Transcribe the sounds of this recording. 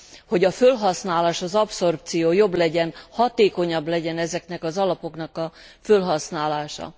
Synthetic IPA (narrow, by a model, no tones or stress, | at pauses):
ho̞ɟɒfølɦɒsnaːlaːʃɒzɒpso̞rp̚t̪sijoːjo̞blɛɟɛnhɒt̪eːko̞ɲɒblɛɟɛnɛzɛknɛkɒzɒlɒpo̞knɒkɒfølɦɒsnaːlaːʃɒ̰